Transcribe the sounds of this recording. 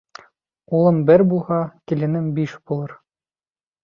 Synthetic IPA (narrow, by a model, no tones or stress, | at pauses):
ulˠɤmbɘɾbulˠʁɑkilʲɘ̆nɘmbiʃbulˠɤɾ